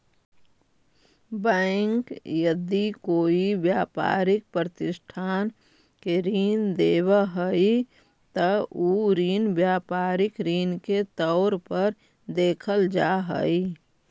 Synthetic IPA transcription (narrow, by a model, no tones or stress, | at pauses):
bə̃ɪŋkjəd̪ikoːiʋjaːpa̰ːɾɪk̚pɾət̪ɪsʈʰaːn | keɾiːnd̪eːwəɦəi | t̪əuːɾiːnʋjaːpaːɾɪkɾiːnket̪ɔʊɾpəɾ | d̪eːkʰəld͡ʒa̰ːɦə̰i